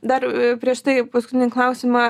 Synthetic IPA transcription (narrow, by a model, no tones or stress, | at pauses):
d̪ɐrpʲɾʲiɛʃt̪ɐɪpɐskʊt̪ʲɪnʲɪklˠɐʊsʲɪmɐ